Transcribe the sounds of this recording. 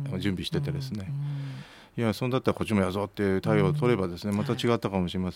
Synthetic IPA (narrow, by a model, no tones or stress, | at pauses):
d͡ʑɨ̃mbʲiɕi̥t̪e̞t̪e̞d̪e̞sɨne̞ | iasonod̪at̪ːaɾako̞t͡ɕimo̞jazoːt̪ːeɯt̪aioːt̪o̞ɾe̞bad̪e̞sɨne̞mat̪at͡ɕiɡat̪ːakamoɕiɾe̞masẽ